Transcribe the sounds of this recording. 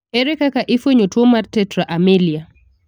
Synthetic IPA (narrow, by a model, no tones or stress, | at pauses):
eɾɛkakaʔɪfweɲotwɔmartːɛtɾaʔamelia